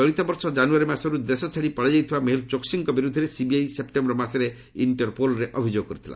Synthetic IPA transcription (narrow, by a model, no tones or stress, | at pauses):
ɔɽit̪ɔbɔɾsɔd͡ʒanuaɾimasɔɾud̪esɔt͡ʃʰaɽipaɽid͡ʒajt̪ʰibameɦilt͡ʃoksiŋkɔbiɾud̪ʱːɔɾesibiajsep̚ʈembɾɔmaseɾe | iɳʈɔɾpolɔɾeʔɔbʱid͡ʒoɡɔkɔɾit̪ʰila̰